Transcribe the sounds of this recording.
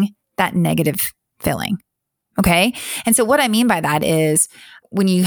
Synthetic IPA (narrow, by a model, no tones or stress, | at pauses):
ŋ | ðɨ̰tⁿnɛɡɨɾɨv̥ | fɪ̰lˠɪ̰̃ŋ | oʊkʰeɪɨ̃nsoʊwʌɾaɪmĩnbaɪðɨɾɪz̥wə̃njɨ